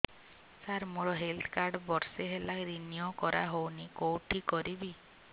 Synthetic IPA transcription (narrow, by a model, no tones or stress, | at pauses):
saɾmuɾɔɦelt̪ʰkaɾɖbɔɾseɦelakɾiniɔkɔɾaɦownikowʈʰikɔɾibi